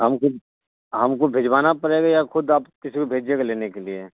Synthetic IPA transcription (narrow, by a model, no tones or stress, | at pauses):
ɦɐmkod̪ | ɦɐmkobʱeːd͡ʒbaːnapɐɽeːɡajaxʊd̪aːpkɪsikobʱeːd͡ʒekaleːnekelie